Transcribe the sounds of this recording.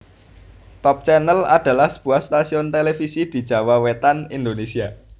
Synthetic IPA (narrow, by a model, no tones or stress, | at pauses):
t̪ɔp̚t͡ʃɛnəla̰d̪̥ä̤lahsəb̥ṳahst̪asiʊnt̪elefisid̪̥i̤̥ʒ̥ä̤wawet̪anind̪onesia